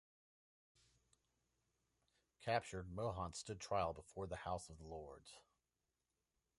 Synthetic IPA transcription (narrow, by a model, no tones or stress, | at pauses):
kʰæp̚t͡ʃə˞d̚moʊɦɑ̃nstʊd̚tʰɹ̥aɪl̩ˠbəfɔɹðəhaʊsʌvðəlɔɹdz̥